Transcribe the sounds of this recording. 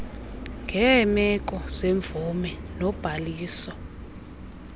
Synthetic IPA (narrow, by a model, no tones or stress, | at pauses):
ŋɡʱɛmɛk̬ʼɔz̥eɱvumɛnɔb̥ʱaliːsɔ